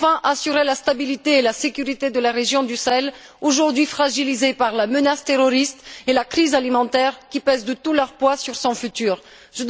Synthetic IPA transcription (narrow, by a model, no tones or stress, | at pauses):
fɛ̃ʔasyʁelast̪abilit̪eːlasekʲyʁit̪ed̪əlaʁeʒjɔ̃d̪ysaɛl | oʒuʁd̪ɥifχaʒilizepaʁlamənast̪eʁɔʁist̪elakχizalimɑ̃t̪ɛʁkʲipɛzd̪ət̪ulœʁpwasyʁsɔ̃fyt̪yːʁ | ʒəd̪